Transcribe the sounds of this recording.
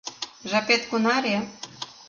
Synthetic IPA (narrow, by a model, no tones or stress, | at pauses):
ʒapet̪kunɑɾʲe